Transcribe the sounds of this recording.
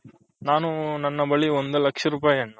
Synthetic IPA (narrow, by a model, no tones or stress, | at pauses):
naːnunɐnːɐbɐɭiond̪ulɐkʂɐɾuːp̬aːjɐɳːɐ